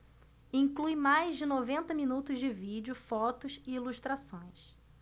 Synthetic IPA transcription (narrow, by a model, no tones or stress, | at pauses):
ĩŋklujmajzd͡ʒɪnovẽnt̪ɐminut̪ʊzd͡ʒɪvid͡ʒiʊfɔt̪ʊsɪiluʃt̪ɾasõj̃s